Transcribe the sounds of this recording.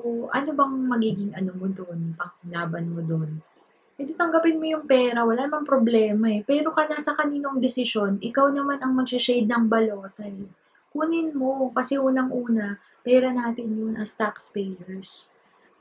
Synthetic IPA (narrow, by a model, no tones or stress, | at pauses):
oʔɐ̰nobɐŋmɐɡiːɡɪŋɐnomod̪o̞npɐŋlaːbɐnmod̪o̞n | pɛd̪it̪ɐŋɡɐpɪnmo̞jʊŋpɛːɾɐwɐlaːnɐmaŋpɾo̞blɛːmɐɛpɛːɾo̞kɐnasɐkɐniːnoŋd̪ɪsɪʃo̞nʔɪkawnɐmanɐŋmɐɡsɪʃejd̪̚nɐŋbɐloːt̪ɐɛ | kuːnɪnmo̞kɐsɛʔuːnɐŋʔuːnɐ | pɛːɾɐnaːt̪ɪnjonʔɐst̪akspɛjɛɹs